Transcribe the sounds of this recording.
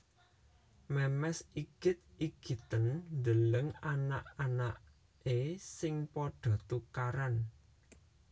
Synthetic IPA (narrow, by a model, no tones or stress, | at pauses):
mɛmɛsiɡ̥ɪ̤t̪̚iɡ̥i̤t̪ənnd̪ələŋanaʔanaʔ | esɪŋpoɖ̥ɔ̤t̪ukaɾan